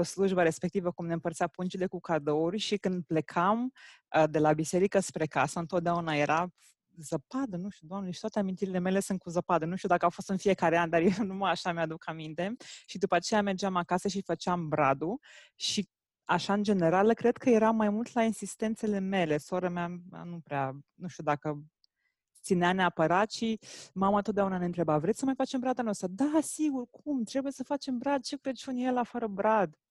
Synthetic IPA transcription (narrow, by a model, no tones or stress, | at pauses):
osluʒbəɾe̞spekt̪ivəkumne̞ɨmpəɾrt̪siapunt͡ʃile̞kukad̪o̞urʲʃikɨnd̪̚ple̞kʰam | əd̪e̞labise̞ɾikəspɾe̞kasəɨnt̪ot̪̚d̪eaunaje̞ɾʔa | zəpad̪ənuʃt̪ʲud̪amnleʃi̥t̪wat̪eamint̪iɾile̞me̞le̞sunt̪̚kuzəpad̪ənuʃt̪ud̪akəafo̞st̪ɨnfije̞kaɾeand̪arjenuməaʃamead̪ukamint̪e̞ʃid̪upat͡ʃe̞jame̞rd͡ʒamakasəʃ̬ifət͡ʃeambɾad̪u | ʃi | aʃaɨnd͡ʒe̞ne̞ɾalkɾe̞d̪kʰəje̞ɾamːajmult̪lainsist̪e̞nt̪se̞le̞me̞le̞soɾəmeaa̰nupɾeanuʃt̪ud̪akə | t̪sineaneapəɾat̪ʃimamət̪ot̪̚d̪ʲaunaneɨnt̪ɾe̞bavɾet̪ʲsəmajfat͡ʃe̞mbɾad̪anost̪ɾəd̪asiɡurkʰumt̪ɾe̞buje̞səfat͡ʃe̞mbɾad̪̚t͡ʃe̞kɾe̞d̪ʲunjelafəɾəbɾad̪